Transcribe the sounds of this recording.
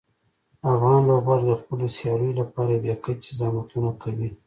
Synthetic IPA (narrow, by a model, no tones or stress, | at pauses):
afɣɑnloɡɣaɾd̪əxpəlosjɑləjolapɑɾabjɑkat͡ʃɪzɑmat̪unakʰawi